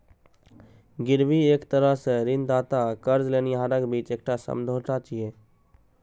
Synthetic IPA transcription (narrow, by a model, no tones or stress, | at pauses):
ɡɪɾʋieːkt̪əɾəɦseɾɪnd̪aːt̪akəɾd͡ʒleːniɦaːɾəkbiːt͡ʃeːk̚ʈasə̰md̪ʱoːʈat͡ʃieː